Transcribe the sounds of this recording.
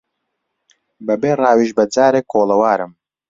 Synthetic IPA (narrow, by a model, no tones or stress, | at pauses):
bɐbeːrˤɑːwiʒbɐd͡zaːɾeːkʰoːlɐwaːɾɨm